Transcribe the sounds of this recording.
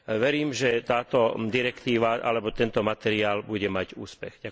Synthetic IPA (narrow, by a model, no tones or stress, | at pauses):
ʋɛɾiːmʒɛt̪aːt̪ɔd̪iɾɛkt̪iːʋaʔa̰lɛbɔt̪ɛnt̪ɔmat̪ɛɾiaːlbuɟɛmaɟuːspɛɣɟa